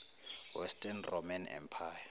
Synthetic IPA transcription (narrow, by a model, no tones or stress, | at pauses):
wɛstʼɛnrɔmanɛ̰mpʰaːja